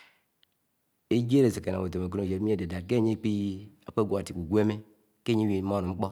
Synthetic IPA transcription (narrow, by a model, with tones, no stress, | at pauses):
e˦d͡ʒe˦ɾe˨se˨ke˨na˨o˨to˨me˨k̬o˦no˨d͡ʒe˨˦e˦de˨da˨ke˦˨ɲe˦k͡pi˦a˨k͡pe˦ɡʷo˨a˨ti˨ku˨ɡʷe˦me˦ | ke˦ɲe˦i˨˦m˦o˦˨nu˨ŋ͡m̩˦k͡po˦